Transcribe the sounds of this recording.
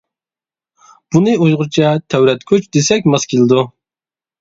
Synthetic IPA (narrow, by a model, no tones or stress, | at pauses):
b̥unɨujʁʊɾt͡ʃʰɑt̪ʰæwɾɛt̪kʲʰøt͡ʃd̪esɛkʲmɑskʲʰilˠɨd̪u